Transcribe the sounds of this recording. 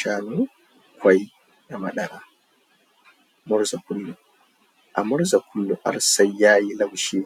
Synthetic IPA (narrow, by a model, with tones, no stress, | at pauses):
ʃaː˦nu˦ | kʷwa˦j | na˨ma˨ɗɐ˨ɾa˨ | mʊ˦ɾza˨kʊ˦lːu˨ | ʔa̰˨mʊ˦ɾza˨kʷʰʊ˦lːu˨ʔa̰˨ɾsa˦jːaː˦ji˦la˦˨wʃi˦